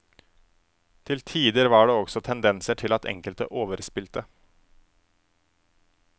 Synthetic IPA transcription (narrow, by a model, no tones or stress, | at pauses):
t̪ʰɪlt̪ʰiːd̪əɾʋɑːɖeːɔksɔt̪ʰɛnd̪ɛnsəʈʰɪlɑt̪ɛ̰ŋkəlt̪ə̰ʔoːʋəɾspɪlt̪ə